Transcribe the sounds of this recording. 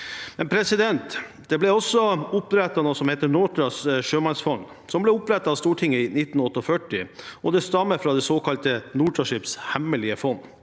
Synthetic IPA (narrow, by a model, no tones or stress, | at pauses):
mɛnpʰɾɛsɪd̪ɛnt̪d̪ɛblɛɔsːɔʊpɾɛt̪ːɑnoːsɔmheːt̪əɳɔːt̪ɾɑsʂøːmɑnsfɔn | sɔmblɛʊpɾɛt̪ːɑɑːʋst̪uːʈʰɪŋːəinɪt̪ːn̩ɔt̪ːɔfœʈɪʔɔd̪ɛst̪ɑmːəfɾɑːd̪ɛsoːkɑlt̪ənuːʈʰɾɑʂɪpshæməlɪəfɔnː